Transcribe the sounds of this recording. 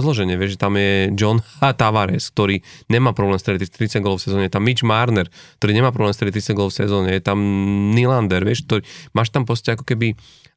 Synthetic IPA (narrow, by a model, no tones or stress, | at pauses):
zlɔʒɛɲɪɛʋɪɛʒʒɛt̪amjɛd͡ʒɔnt̪aʋaɾɛsk̚t̪ɔɾiːɲɛmaːpɾɔblɛːmst̪ɾɛdit̪ɾit̪ɾit͡saɡɔlɔfsɛzɔːɲɛjɛt̪amːid͡ʒmaɾnɛɾk̚t̪ɔɾiːɲɛmaːpɾɔblɛːmst̪ɾɛdit̪ɾit͡saɡɔlɔfsɛzɔːɲɛjɛt̪amniland̪ɛɾʋɪɛʃk̚t̪ɔɾimaːʃt̪ampɔscɛakɔ̥kɛbi